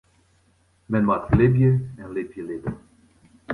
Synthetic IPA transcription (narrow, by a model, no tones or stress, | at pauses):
mɛnmatlɪbjəɛnlɪbjəlɪdə̰